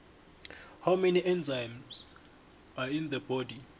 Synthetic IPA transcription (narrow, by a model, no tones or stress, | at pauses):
hawmɛniʔɛnzajmz̥ | aind̪əbɔdi